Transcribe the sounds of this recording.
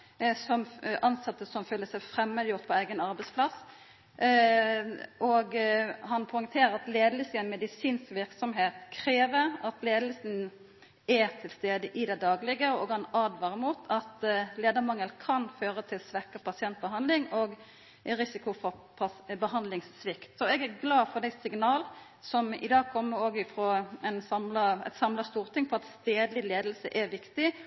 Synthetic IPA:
sɔmʔɑnsɑt̪ːəsɔmfœlːəsæɪfʁɛmːəd̪əjʊʁt̪̚pʰɔæɪɡənɑʁbɛɪspʰlɑs | ʔɔɡhɑnpʰɔɪŋt̪ʰeːʁəɾɑt̪leːd̪əlsəɛnmɛd̪ɪsiːnskʋɪʁksɔmɦeːt̪kʰɾeːʋəɾɑt̪leːd̪əlsən | ɛt̪ʰɪlst̪eːd̪əʔɪd̪ɛd̪ɑːɡlɪɡəoːɡɑnɑd̪ʋɑːʁɪmuːt̪ʰɑt̪leːd̪əmɑŋːəlkʰɑnføːɾət̪ʰɪlsʋɛkəpʰɑsɪɛnt̪̚bəɦɑnd̪lɪŋoɡ | ɾɪsɪkʊfɔpʰɑbəɦɑnd̪lɪŋsːʋɪkt̪sɔɛɡæɾɡlɑːfɔd̪æɪsɪŋnɑːl | sɔmɪ̰d̪ɑːɡ̚kʰɔmːəɾoːɡɪfɾoːɛnsɑmlɑɛ̰t̪sɑmlɑst̪uːʁt̪ɪŋfʰɔʁɑt̪st̪eːd̪lɪleːd̪əlsə̰ʔæɾʋɪkt̪ɪ

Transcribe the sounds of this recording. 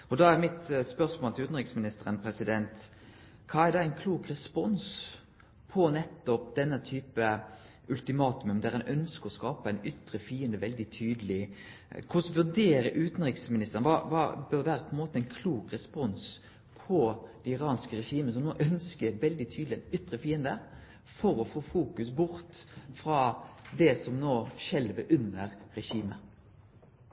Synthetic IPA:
ɔd̪ɑæɾmɪt̪spœsmoːlt̪ɪlʉːt̪n̩ʁɪksmɪnɪst̪əɾənpʰɾɛsɪd̪ɛnt̪ | kʰɑːæʁd̪ɑæɪnkʰluːkɾɛspɔns | pʰɔnɛt̪ːɔp̚d̪ɛnːət̪ʰyːpə | ʉlt̪ɪmɑːt̪ʉməmd̪ɛæːɾɛnʔœnskəɾɔskɑːpəæɪnʏt̪ːɾəfiːənd̪əʋɛld̪ɪt̪ʰyːd̪əlɪ | kʰʊsʋʉd̪eːɾəɾʔʉːt̪ən̩ɾɪksmɪnɪst̪əɾənʋɑ̰ʋɑ̰bøʁʋæːɾəpʰɔɛnmoːt̪əɛɪnkʰluːkʁɛspɔns | pʰɔd̪̥ɛɪʁɑːnskəɾɛʃiːməəsɔmnoːʔœnskəɛt̪ʋɛld̪ɪt̪ʰyːd̪lɪɛnʏt̪ːʁəfiːənd̪ə | fɔɾɔfoːfuːkʉsbʊɾt̪fɾɑːd̪ɛsɔmnoːʃɛlʋəʔʉnəʁɾɛʃiːmə

